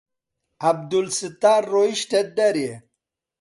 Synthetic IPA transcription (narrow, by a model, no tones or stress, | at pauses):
ɐb̚d̪ulsit̪aːɾːoiʃʈed̪ɐɾje